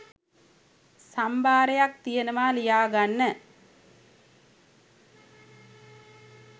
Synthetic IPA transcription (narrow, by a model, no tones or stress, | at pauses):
sɐmbaːɾɐjak̚t̪ijɐnɐmaːlijaːɡɐnːɐ